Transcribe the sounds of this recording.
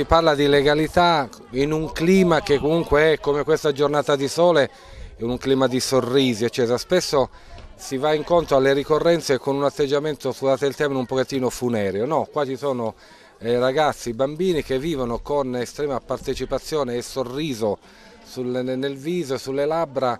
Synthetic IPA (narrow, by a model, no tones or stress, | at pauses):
iparlad̪ileɡalit̪a | inuŋkliːmak̟ekːomuŋkweɛkːomekwest̪ad͡ʒornaːt̪ad̪isɔːle | ɛuŋkliːmad̪isorːiːziet͡ʃːɛːt̪ɾaspesːo | sivaiŋkont̪ɾoalːeɾikorːɛnt̪sekonunat̪ːed͡ʒːament̪osuzaːt̪eelt̪ɛɾminumpoket̪ːiːnofunɛːɾjonɔkːwat͡ʃisɔːno | ɛraɡat̪sːibambiːnikevːiːvonokonest̪ɾɛːmapart̪et͡ʃipat̪sːjɔːneːsorːiːzo | sulnelviːzosulːelabɾa